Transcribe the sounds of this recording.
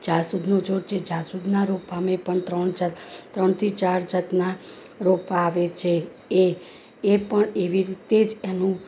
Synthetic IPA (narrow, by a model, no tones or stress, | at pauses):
d͡ʒasud̪ʱnod͡ʒoɽt͡ʃʰed͡ʒasud̪naɾopamepəɳt̪ɾəɳd͡ʒt̪ɾəɳt̪ʰit͡ʃaɾd͡ʒət̪na | ɾopaʋet͡ʃʰe | eː | pəɳeʋiɾit̪ed͡ʒenũ